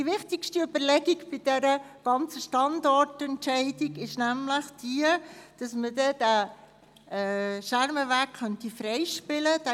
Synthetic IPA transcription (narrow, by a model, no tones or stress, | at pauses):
diʋɪχt̪ɪkʃtiʏb̥əɾlɛɡiɡbɪd̥ɛɾə | ɡ̥ɑnt͡səʃtɑndɔrtɛntt͡ʃɛɪdiɡɪʃnæmləχd̥iəd̥ɑsmədɛd̥æ | ʃæɾməʋæːkχœntifɾɛɪʃpɪləd̥æ